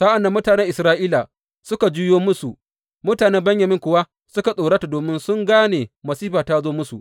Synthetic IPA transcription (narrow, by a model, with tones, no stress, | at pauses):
sa˦ʔa˨nːa˨˦mʊ˦taː˨nɛ˦ʔɪ˨sɾaː˦ʔiː˦la˨ | sʊ˦ka˨d͡ʒuː˦joː˦mʊ˦su˨ʔ | mʊ˦taː˨neː˦bɐ˦ɲjɐ˨mɪ˦ŋkʷʊ˨wa˦ | sʊ˦ka˨sʼoː˨ɽa˦ta˨doː˨mɪ˦nsʊ˦ŋɡaː˦neː˨mɐ˨siː˦ɸaː˨ta˦zoː˦mʊ˦sṵ˨